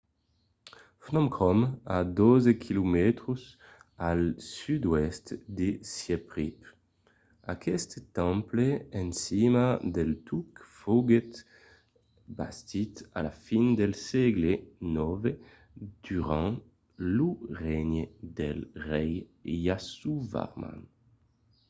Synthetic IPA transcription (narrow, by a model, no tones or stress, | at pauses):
fnɔ̃mkʁɔmad̪ozekʰilumɛt̪χusalsyd̪wɛst̪d̪esjɛpʁip | akʰɛst̪t̪ɑ̃mpleɛ̃nsimad̪ɛlt̪ukfɔɡet̪ | ba̰st̪it̪a̰lafind̪ɛlsɛɡlenɔve | d̪̥yʁɑ̃ | luʁɛɲd̪ɛlʁɛjːasuva̰ʁma̰n